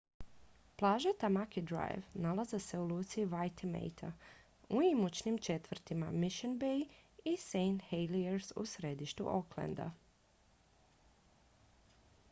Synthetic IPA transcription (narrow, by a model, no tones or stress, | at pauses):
plˠaːʒat̪amakid̪ɾa̰jʋnalazese̞uluːt̪siːʋajt̪ʰimḛjt̪ʰa̰ | uimut͡ʃnimt͡ʃe̞t̪ʋr̩t̪imamiʃenbejisejnhejlieɾsṵsɾe̞d̪iʃt̪ṵʔoklḛnd̪a̰